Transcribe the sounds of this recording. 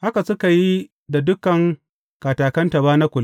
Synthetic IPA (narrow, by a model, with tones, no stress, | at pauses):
ha˦ka˨sʊ˦ka˨ji˦ | da˨dʊ˦kɐ˨ŋ | kaː˨taː˨kɐ˦nta˨baː˦na˦kʷʊ˨l